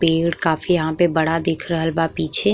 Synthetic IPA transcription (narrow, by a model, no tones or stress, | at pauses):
peːɽkaːfijɐɦãpebɐɽad̪eːkʰɾəɦəlbapiːt͡ʃʰe